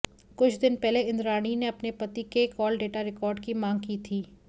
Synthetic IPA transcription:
kʊt͡ʃʰd̪ɪnpɛɦleɪ̃nd̪ɾaːñineɐpnepɐt̪ikekɔːlɖeːʈaɾɪkɔːɾɖkimãːŋɡ̚kiːt̪ʰiː

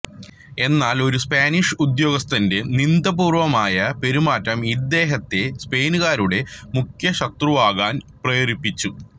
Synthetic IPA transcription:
e̞nːaːlo̞ɾuspaːniʂud̪jo̞ːɡɐst̪ɐnde̞nind̪ɐbuːrʋɐmaːjɐpe̞ɾumaːtːɐmid̪ːe̞ːɦɐt̪ːe̞spe̞ːnuɣaːɾuɽe̞mukʰjɐɕɐt̪ruʋaːɣaːnprɐjoɾipːit͡ɕːu

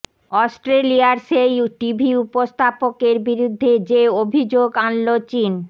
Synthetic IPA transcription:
ɔsʈɾeliaɾsejʈibʱiupost̪ʰapokeɾbiɾud̪ʱːed͡ʑeobʱid͡ʑoɡanlot͡ɕin

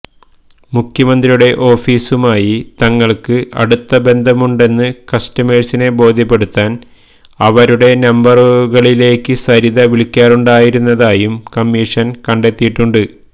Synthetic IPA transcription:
mukʰjɐmɐnd̪rijuɽe̞ʔo̞ːfiːsumaːjit̪ɐŋːɐɭkɨʔɐ̰ɽut̪ːɐbe̞nd̪ʱɐmuɳɖe̞nːɨkɐstɐmeːrsine̞bo̞ːd̪ʱjɐpːe̞ɽut̪ːaːn | ɐʋɐɾuɽe̞nɐmbɐrɣɐɭile̞ːkːɨsɐɾiðɐʋiɭikʲːaːruɳɖaːjiɾunːɐðaːjumkɐmːiːʂɐnkɐɳɖe̞t̪ːijiʈːuɳɖɨ

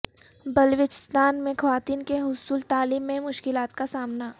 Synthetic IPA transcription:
bɐlʋɪt͡ʃɪ̥st̪aːnmẽxɐʋaːt̪iːnkeɦʊsuːlt̪aːliːmːẽmʊʃkɪlaːt̪kasaːmna

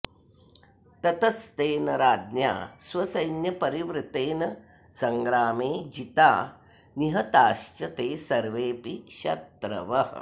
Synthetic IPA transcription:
t̪ɐt̪ɐst̪eːnɐɾaːd̪nja̰ːsʋɐsɐjnjɐpɐɾiʋɾɪt̪eːnɐ | sɐŋɡɾaːmeːd͡ʒit̪aː | niɦɐt̪aːʃt͡ʃɐt̪eːsɐɾʋeːpiʃɐt̪ɾɐ̰ʋɐɦɐ̰

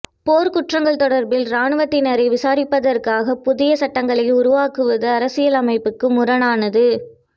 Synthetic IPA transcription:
poːɾkʊʈrɐŋɡɐɭt̪ɔɽɐɾbɪlɾaːɳɯʋɐt̪ːɪnɐɾɐɪʋɪsaːɾɪpːɐðɐrkaːɣɐpʊðɪjɐsɐʈːɐŋɡɐɭɐɪʊɾʊʋaːkɯʋɐðɐːɾɐsɪjɐlɐmɐɪpːɯkːɯmʊɾɐnaːnɐðɯ

